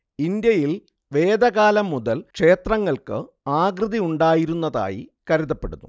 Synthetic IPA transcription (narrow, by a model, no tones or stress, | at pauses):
ind̪jɐjil | ʋe̞ːd̪ɐɣaːlɐmːuðɐlkʂe̞ːt̪rɐŋːɐɭkɨ̰ | aːɡrɨðiuɳɖaːjiɾunːɐða̰ːjḭkɐɾuðɐpːe̞̰ɽunːu